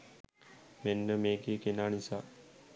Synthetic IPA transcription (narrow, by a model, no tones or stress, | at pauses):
menːəmeːɡeːkenaːnisaː